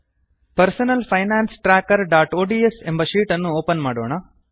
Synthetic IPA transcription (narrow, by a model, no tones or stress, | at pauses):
pɐɾsɐnɐlpʰɐjnaːnsʈɾaːkɐɾɖaːʈoːɖiesembɐʃiːʈɐnːuoːpɐnmaːɽo̰ːɳɐ